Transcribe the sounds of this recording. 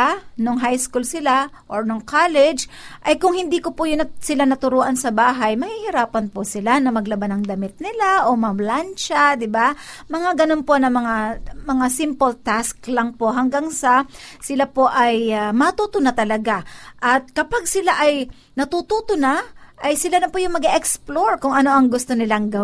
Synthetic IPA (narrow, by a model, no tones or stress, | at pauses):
noŋɦajskulsɪlaʔoɹnoŋkʰalɛd͡ʒʔɐjkʊŋhɪnd̪iːkopʊjʊnɐsɪlanɐt̪ʊɾoːʔɐnsɐbaːɦɐjmɐhihɪɾaːpɐnposɪlanɐmɐɡlɐbanɐŋd̪ɐmɪt̪̚nɪlaʔo̞mɐblant͡ʃad̪ɪbamɐŋaɡɐnonpo̞nɐmɐŋamɐŋasɪmpolt̪asklɐŋpoʔɦɐŋɡaŋsɐsɪlapo̞ʔɐjmɐt̪ut̪ʊnat̪ɐlɐɡaʔɐt̪̚kɐpaɡsɪlaʔɐj | nɐt̪ut̪ut̪ʊnaʔɐjsɪlalɐpojʊŋmɐɡaʔɛksploɹkʊŋɐno̞ʔɐŋɡʊst̪onɪlaŋɡɐ